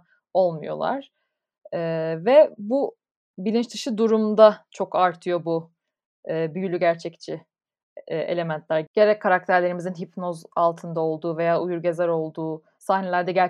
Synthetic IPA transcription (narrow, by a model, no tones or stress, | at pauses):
o̞lˠmṵjo̞̰lˠa̰ɾ̥ | ɛːvɛbu | bilʲint͡ʃt̪ʰɯʃɯd̪uɾumd̪at͡ʃʰo̞kʰaɾt̪ʰɯjo̞bu | ɯːbyjylʲyɟæɾt͡ʃʰɛct͡ʃʰi | e̞̰lʲe̞mænt̪ʰlʲæɾɟ̥e̞ɾɛkʰːaɾak̚t̪ʰæɾlʲeɾimizinɦipnozalˠt̪ʰɯnd̪ao̞lˠd̪uːve̞jaːujuɾɟe̞zæɾo̞lˠd̪uː | sahne̞lʲæɾd̪ɛɟæɾ